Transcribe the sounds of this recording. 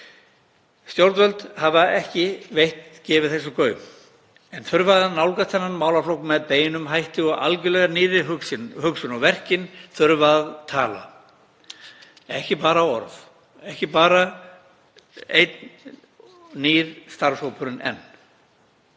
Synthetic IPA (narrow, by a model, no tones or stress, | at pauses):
st̪jowɾt̪vœlt̪havaɛhcɪvejht̪cɛːvɪðθɛsːʏkœːɥ | ɛnθœɾvaðaðnawlkast̪θɛnːanmaːwlaflowkmɛðpeːjɪnʏmɦajht̪ɪɔɣa̰lcʏlɛɣaniːɾɪɦʏsɪnɦʏksʏnɔɣvɛr̥cɪnθœɾvaðt̪ʰaːla̰ | ɛhcɪpaːɾaɔ̰ɾθ | ɛhcɪpaːɾa | ejt̪n | niːɾ̥st̪aɾsowpʰʏɾɪnɛ̰nː